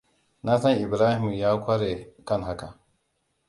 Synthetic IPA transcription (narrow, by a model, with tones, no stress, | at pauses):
na˦sɐ˦ŋʔɪ˨bɾaː˦hɪ˨m˨jaː˦kʷa˦ɾe˨ka˦nɦa˦ka˨